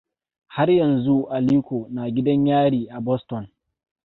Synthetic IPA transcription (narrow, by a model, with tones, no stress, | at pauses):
ha˦rjɐ˨nzu˦ʔa˨liː˦kʷoː˨naː˨ɡʲɪ˦dɐ˦ɲjaː˦ɽiː˨ʔa˨bɔ˦stɔ˨n